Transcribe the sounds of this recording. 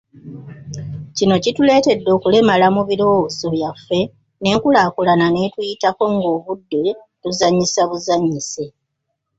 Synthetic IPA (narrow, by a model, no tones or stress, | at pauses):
cino̞citule̞ːte̞dːo̞ːkule̞malamuβiɾo̞wozo̞βjafːe̞ | ne̞kulaːkulanane̞tujitako̞ŋɡo̞ːβudːe̞ | tuzaɲːisaβuzaɲːise̞